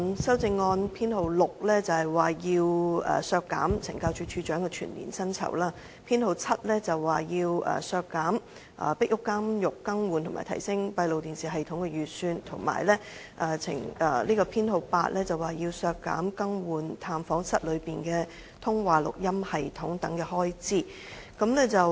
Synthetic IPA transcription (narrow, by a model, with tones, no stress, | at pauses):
sɐ˥wt͡sɪ˧ŋːɔː˧npʰiː˥nho˨˧wlʊ˨k̚lɛː˥t͡sɐ˨whɐ˨jwaː˨˩jiː˧wɐ̰ː˨sœː˧kːa̰ː˨˥mt͡sʰɪ̰˨˩ŋkaː˧wt͡ʃʰyː˧t͡ʃʰyː˧t͡ʃœː˨˥ŋkɛ˧t͡ʃʰy̰ː˨˩nlḭː˨˩nsɐ˥nt͡sʰɐ̰˨˩wlaː˥ | pʰiː˥nho˨wt͡sʰɐ˥t̚lɛː˥t͡sɐ˨wːaː˨˩jiː˧wɐ̰ː˨˩sœː˧kːaː˨˥m | ʔɐ̰ː˨pɪ˥k̚jʊ˥kːaː˥mjʊ˨kːɐ˥ŋwuː˨nt̪ʰʊ˨˩maː˨jt̪ʰɐ˨˩jsɪ˥ŋpɐ˧jlo˨wt̪iː˨nsiː˨ɦɐ˨jt̪ʰʊ˨˥ŋkɛ˧jyː˨t̚syː˧nt̪ʰʊ˨˩ŋma̰ː˨˩jlɛː˥ | ʔɐ˨˧t͡sʰɪ̰˨˩ŋɐː˨˩liː˥kɔː˧pʰiː˥nho˨˧wpaː˧t̚lʔɛː˥t͡sɐ˨waː˨˩jiː˧wsœː˧kːa̰ː˨˥mkɐ˥ŋwuː˨nt̪ʰaː˧mfɔː˨˥ŋsɐ˥t̚lɵ˨˧ɥpiː˨nkɛː˧ | t̪ʰʊ˥ŋwaː˨lʊ̰˨k̚jɐ˥mhɐ˨jt̪ʰʊ˨˥ŋt̪ɐ˨˥ŋkɛː˧hɔː˥jt͡siː˥ | kɐ˨˥mlɛː˥t͡sɐ˨w